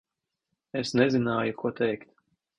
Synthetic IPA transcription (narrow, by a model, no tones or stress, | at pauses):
esnɛzinaːjukuɔt̪ɛjkt̪